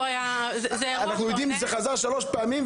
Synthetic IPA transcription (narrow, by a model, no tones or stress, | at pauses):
aja | zzɛanaχnujod̪imʃzeχazaʁʃaloʃpɛamim